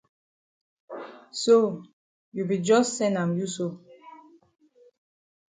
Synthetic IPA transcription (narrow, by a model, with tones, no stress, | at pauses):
so˦˨ | ju˨bi˨d͡ʒɔ˦ssɛ̃˦nã˨mju˦so˦˨